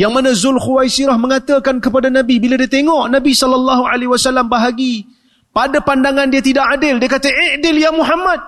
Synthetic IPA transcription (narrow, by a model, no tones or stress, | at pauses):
jaŋmanãzʊlxuwajsiɾahmə̃ŋat̪əkankəpadanãbibiladiat̪eŋɔʔnãbisɔlalːɑhualewasalambaɦaɡi | padapandaŋandiat̪idaʔadɪldiakat̪əʔɪʔdɪljamuɦamad̪̚